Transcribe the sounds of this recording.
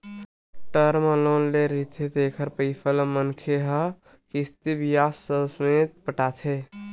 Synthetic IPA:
ʈəɾmə̃loːnleɾit̪ʰet̪eːkʰəɾpəɪpʰələmənkʰeɦə | kist̪ibijaːsːəsəmeːt̪̚pəʈaːt̪ʰeː

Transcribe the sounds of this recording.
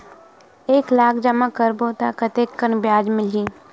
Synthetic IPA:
eːklaːkʰd͡ʒɐmãkəɾboːt̪akət̪eːkːənbjaːd͡ʒmɪld͡ʒiː

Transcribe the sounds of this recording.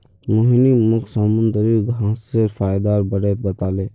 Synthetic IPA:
moːɦinimʊkʰsəmʊnd̪əɾiɡʱãːseɾfaːjd̪aːɾbəɾeːt̪̚bət̪aːleː

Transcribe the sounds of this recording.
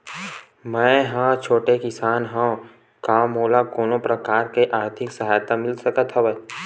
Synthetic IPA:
mɛ̃ːɦãt͡ʃʰoːʈekɪsaːnɦã | kaːmoːlakoːnõpɾəkaːɾkeʔaːɾt̪ʰɪksɐɦaːjt̪amɪlsəkət̪ɦəʋe

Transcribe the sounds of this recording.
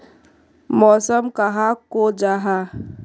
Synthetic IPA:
mɔːsəmkaɦakod͡ʒaːɦa

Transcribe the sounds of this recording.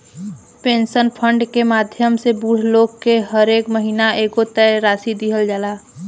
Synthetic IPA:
pẽːnsənpʰə̃ɳɖkemaːd̪ʱjəmsebuːɾ̤loːɡkeɦəɾeːkməɦiːnaʔeːkot̪ɛɾaːsid̪iɦəld͡ʒaːlaː

